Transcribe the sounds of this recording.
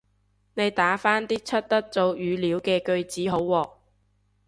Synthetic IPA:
ne˨˧jt̪aː˨˥faː˥nt̪iː˥t͡sʰɵ˥t̚t̪ɐ˥k̚t͡so˧wjyː˨˧liː˨˥wkɛː˧kɵ˧ɥt͡siː˨˥ɦo˨˥wːɔː˨˧k̚

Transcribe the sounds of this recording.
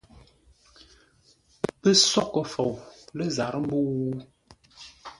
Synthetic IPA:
pə˦sɔ˦kə˨fo˨wlə˦za˨ɾə˦m̩˦bu˦

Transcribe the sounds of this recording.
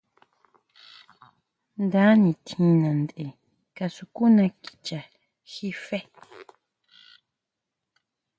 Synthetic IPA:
nd̪a˨˦nĩ˨t̪ʰĩ˨nã˨nd̪e˨ | ka˨su˨ku˦nã˧kʼi̥˨t͡ʃa˨ | xi˦fe˦

